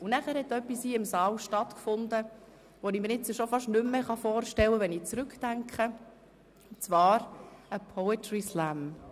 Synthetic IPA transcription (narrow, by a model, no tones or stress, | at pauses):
unæχæːɾhɛtœpːisiːɪmsɑːlʃtɑtkfʊndə | ʋonimənɪt͡sːəʃofɑʃnʏmːəχɑfɔːɾʃtɛwəʋɛnit͡sɾʉkd̥æŋkχə | t͡svɑːɾəpʰɔɛtɹislæm